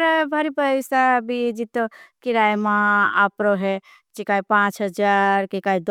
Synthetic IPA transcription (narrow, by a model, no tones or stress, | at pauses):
ɾbʱaɾipəjsabid͡ʒit̪ːokiɾajmãapɾoɦe | t͡ʃikaipãt͡ʃɦəd͡ʒaɾkikaid̪